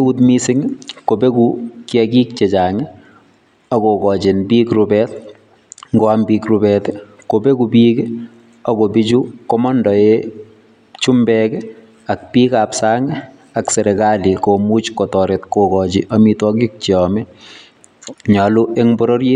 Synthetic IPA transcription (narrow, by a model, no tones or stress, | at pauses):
eutmisɪŋkobekukjɛkik̚t͡ʃet͡ʃaːŋɪ | ɔkokɔt͡ʃenbiːkɾubɛt | ŋɡoambikɾubɛt | kobekupike | ɔkobit͡ʃukomɔndɔe | t͡ʃumbɛkɛ | ak̚piːkapsaːŋɪ | akseɾekalikomut͡ʃkotɔɾetkokɔt͡ʃiʔɔmitwɔkik̚t͡ʃiɔmɛ | ɲaluʔeŋbɔɾoɾje